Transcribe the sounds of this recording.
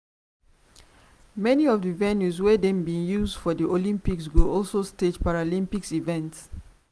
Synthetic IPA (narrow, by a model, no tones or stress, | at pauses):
mɛniɔfdəvɛnjuswɛdɛ̃mbĩnjuzdfɔdiʔolĩmpiksɡoɔlsosted͡ʒpaɹalĩmpiksivɛ̃nts